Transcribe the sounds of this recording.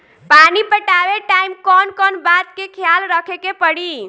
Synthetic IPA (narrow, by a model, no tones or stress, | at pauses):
panipəʈaʋeʈaimkɔnkɔnbat̪kekʰjalɾəkʰekepəɽi